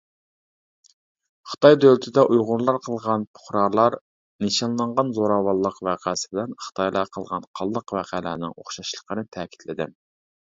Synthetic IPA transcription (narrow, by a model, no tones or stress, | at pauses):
χə̥t̪ʰɑjd̪ølɪt̪ʰɪd̪ɛʔujʁʊɾlˠɑɾqʰəlˠʁɑnpʰʊ̥χɾɑɾlˠɑɾ | neʃɑnlˠɑɴʁɑnzoɾɑːwɑlˠːəqvæqʰæːsɪ̥bɪlɛnχə̥t̪ʰɑjlˠɑqʰəlˠʁɑ̰nqʰɑlˠːəqvæqʰælæ̰nɪ̰ŋoχʃɑʃlˠə̥qʰənɨt̪ʰɛːkʲʰi̥t̪ʰlɪd̪ɪm